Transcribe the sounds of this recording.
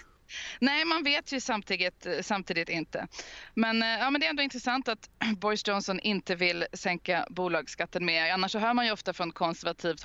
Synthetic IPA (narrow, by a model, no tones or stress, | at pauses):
nɛɪmanveːt̪ʰjɵsamt̪ʰiːd̪ɪt̪samt̪ʰiːd̪ɪt̪ɪnt̪ə̰mɛnjɑːmɛnd̪ɛɾɛnd̪oɔɪnt̪ɾəsant̪at̪bɔɾsdd͡ʒɔnsɔnʔɪnt̪əvɪlsɛŋkabuːlɑːɡskat̪ːənmɛanːaʂːɔɦœːmanjɵɔft̪afɾɔnkʰɔnsɛɾvat̪ʰiːvt̪